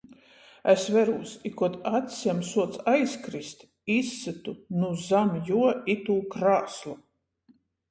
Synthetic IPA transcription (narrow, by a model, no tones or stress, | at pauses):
ɛsvɛɾuːsikuɔt̪at̪sʲjamsuɔt̪sajskɾist̪ | isːɨt̪unuzamjuɔit̪uːkɾaːslˠu